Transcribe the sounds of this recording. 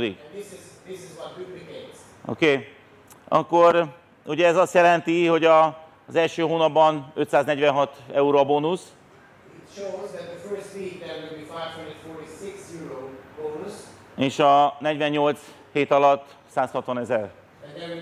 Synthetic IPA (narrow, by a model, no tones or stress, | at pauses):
d̪ḭk̪ðɪsɪz | ðɪsɪzlaɪk̚upikẽɪ̃z̥ | o̰keː | ɒ̰kːo̞ɾ | uɟɛːzɒst̪jɛlɛnt̪iho̞ɟɒ | zɛlʃøːɦoːnɒbːɒnøt̪saːznɛɟʋɛnɦɒt̪ɛuɾoboːnus | ɪtʃoʊzðɨt̪̚ðɨfɜ˞stbid̪ðəwɪdbifaɪv̥hʌ̃ndɹɨ̃nfɔɹɾisɪksjɪɹoʊb̥õʊnus | eːʃɒnɛɟʋɛɲɲo̞lt̪s | heːt̪ɒlɒt̪ː | saːshɒt̪ʋɒnɛzɛr | ɨ̃nðə